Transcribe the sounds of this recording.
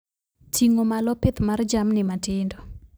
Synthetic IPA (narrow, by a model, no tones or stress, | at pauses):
t͡ʃiŋomalɔpet̪mard͡ʒamnɪmatɪndɔ